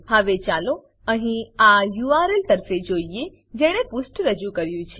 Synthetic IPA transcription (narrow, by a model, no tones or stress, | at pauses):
ɦəʋet͡ʃalo | əɦĩajuaɾelt̪əɾfed͡ʒoie | d͡ʒeɽ̃epusʈɾəd͡ʒukəɾjũt͡ʃʰe